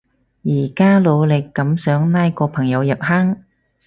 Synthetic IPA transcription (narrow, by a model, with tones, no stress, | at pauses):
jiː˨˩kaː˥lo˨˧wlɪ˨˩kːɐ˨˥msœː˨˥ŋnaː˥jkɔː˧pʰɐ˨˩ŋjɐ˨˧wjɐ˨p̚haː˥ŋ